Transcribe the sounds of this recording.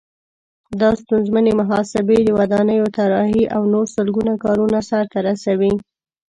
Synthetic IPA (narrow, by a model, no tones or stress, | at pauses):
d̪ɑst̪unzmanemaɦɑsɪbed̪əwad̪ɑnəjot̪aɾɑɦiʔawnoɾsəlɡunakɑɾunasaɾt̪aɾasawi